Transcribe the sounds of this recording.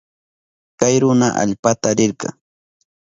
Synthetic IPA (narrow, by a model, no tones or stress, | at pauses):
kajɾʊnaʔa̰ʎpat̪aɾɪɾkɑ̰ŋ